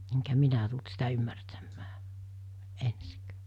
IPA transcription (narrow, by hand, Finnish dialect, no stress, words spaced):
eŋkæ minæ tult sitæ ymːærtæmːæː ensikæ̥ː